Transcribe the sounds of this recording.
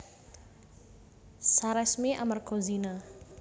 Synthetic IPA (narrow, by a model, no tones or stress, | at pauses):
saɾɛsmiʔa̰marɡ̥ozina